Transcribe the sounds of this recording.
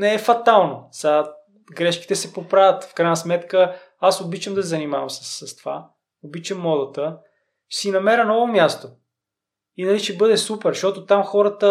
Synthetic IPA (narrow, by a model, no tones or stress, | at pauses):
nɛɛfɐt̪alˠnosa | ɡɾɛʃki̥t̪ɛsɛpopɾavʲɐt̪fkɾaɪjnəsmɛt̪kə | asobit͡ʃəmd̪ɐsɛzɐnimavɐmsə̥sːɐst̪ova̰ | obit͡ʃəmːɔd̪ɐt̪ə | sinɐmɛɾənɔvomʲjast̪o | inɐliʃɛbɤd̪ɛsupɛɾʃtɔt̪ot̪amxɔɾət̪ə